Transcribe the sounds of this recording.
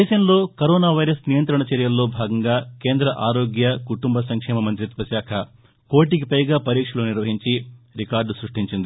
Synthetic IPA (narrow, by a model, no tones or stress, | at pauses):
d̪eːʃɐmlo̞ːkɐɾoːnaːʋɐjɾɐsnijɐnt̪ɾɐɳɐt͡ʃɛɾjɐlːoːbʱaːɡɐŋɡaːkeːnd̪ɾɐʔaːɾoːɡjɐkuʈumbɐsɐŋkʂɛːmɐmɐnt̪ɾit̪ʋɐʃaːkʰɐ | koːʈiɡipɐjɡaːpɐɾiːkʂɐloːniɾʋɐɦiɲt͡ʃiɾikaːɾɖsɾuʂʈiɲt͡ʃind̪i